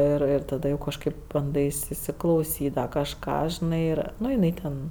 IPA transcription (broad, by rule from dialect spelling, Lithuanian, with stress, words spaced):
ɪr ˈɪr tɐˈdɐ jɛʊ kɐʃˈkɐɪp bɐnˈdɐɪs iːsʲɪklˠɐʊˈsʲiːt dɐr kɐʃˈkɑː ʒʲɪˈnɐɪ ˈnʊ jɪˈnɐɪ tʲɛn